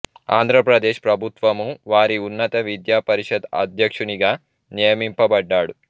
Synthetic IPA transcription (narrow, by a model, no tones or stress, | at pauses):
aːnd̪ʱɾɐpɾɐd̪eːʂpɾɐbʱut̪ʋɐmuʋaːɾiunːɐt̪ɐʋid̪jaːpɐɾiʂɐd̪ɐ̰d̪ʱjɐkʂuniɡaː | nijɐmimpɐbɐɖːaːɽu